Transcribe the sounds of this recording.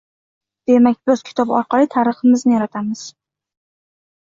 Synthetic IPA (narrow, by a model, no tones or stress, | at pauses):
d̪̥e̞mak̚ʲbɒzkʲʰɪ̥t̪ʰɒbɒ̰ɾqɑlit̪ʰaɾɨχɨmɪznɪjaɾat̪ʰamɪz̥